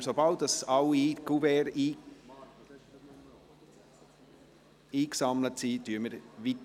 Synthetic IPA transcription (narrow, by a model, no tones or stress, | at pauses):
sobɑʊdɑsɑwiiɡuvɛːɾiː | iːksɑmlətsityəməɾʋit